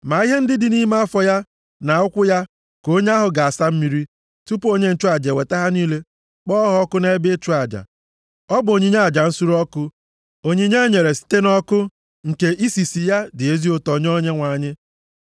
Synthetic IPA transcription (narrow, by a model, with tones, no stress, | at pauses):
ma˨i˦ɦe˦n̩˦dɪ˦dɪ˨ni˦ma˦a˦fɔ˨ja˦ | na˨ʊ˦kʷʊ˦ja˦ | ko˦ɲe˦a˦ɦʊ˨ɡa˨a˨sa˦m̩˦mi˦ɾi˦ | tu˦po˦ɲe˦n̩˨t͡ʃu˦a˨d͡ʒe˨we˨ta˦ɦa˦niː˦le˦ | k͡pɔː˦ɦɔ˦kʊ˦ne˦e˦be˦t͡ʃu˦a˨d͡ʒa̰˨ | ɔ˦bʊ˨o˨ɲi˦ɲe˦a˨d͡ʒa˨n̩˦su˦ɾɔ˦kʊ˦ | o˦ɲi˦ɲe˦ɲe˨ɾe˨si̥˨˦te˦nɔ˦kʊ˦ | ŋ̩˨ke˦ʔi˦si˨si˨ja˦dɪ˨e˦zi˦o˦tɔ˨ɲ˦o˦ɲe˦ŋʷa˨ɲɪ˦